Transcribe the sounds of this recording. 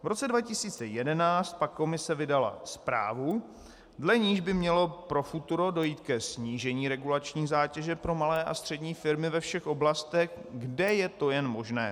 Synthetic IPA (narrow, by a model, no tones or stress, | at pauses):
vɾo̞t͡sɛdvacɪsiːt͡sɛjɛdɛnaːt͡st̪̚pakːo̞mɪsɛvɪdala̰spɾa̰ːvu | dlɛɲiːʒbɪmɲɛlo̞pɾo̞fut̪uɾo̞do̞jiːt̪kɛsɲiːʒɛɲiːɾɛɡulat͡ʃɲiːzaːcɛʒɛpɾo̞malɛːʔa̰st̪r̥ɛdɲiːfɪɾmɪvɛfʃɛxʔo̞blast̪ɛxɡdɛjɛt̪o̞jɛnmo̞ʒnɛ̰ː